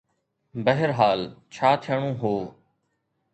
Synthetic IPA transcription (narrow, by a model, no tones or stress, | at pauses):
bəɦɪɾɦaːlt͡ʃʰaːt̪ʰɪjəɳ̃õːɦoː